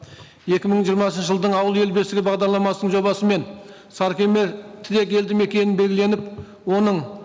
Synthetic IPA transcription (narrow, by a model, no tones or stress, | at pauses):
je̞kʲɪməɴʒijəɾmɑsənʃəʒəlˠd̪əɴɑwəlˠe̞lbe̞sɪɡʲɪbɑʁd̪ɑɾlˠɑmɑsənəɴʒo̞bɑsəme̞n | sɑɾkʲeme̞ɾt̪ʰɪɾe̞k̬ʲe̞ld̪ɪme̞kʲe̞nɪnbe̞lɡʲɪle̞nɪp | wo̞nəɴ